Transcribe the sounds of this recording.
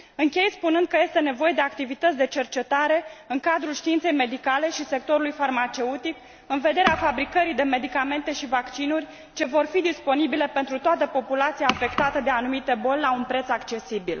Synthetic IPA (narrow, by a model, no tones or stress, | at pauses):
ɨŋkʲe̞jspunɨnd̪̚kəjest̪e̞ne̞vo̞je̞d̪e̞ak̚t̪ivit̪ət̪sʲd̪e̞t͡ʃe̞rt͡ʃe̞t̪aɾe̞ɨŋkad̪ɾulʃt̪iint̪se̞jme̞d̪ikale̞ʃise̞kt̪o̞ɾulujfarmat͡ʃe̞ut̪ik | ɨnve̞d̪e̞ɾeafabɾikəɾid̪e̞me̞d̪ikame̞nt̪e̞ʃivakt͡ʃinurʲ | t͡ʃe̞vo̞rfid̪ispo̞nibile̞pe̞nt̪ɾut̪oat̪əpo̞pulat̪siaːfe̞kt̪at̪əd̪e̞anumit̪e̞bo̞lʲlaunpɾe̞t̪sakt͡ʃe̞sibil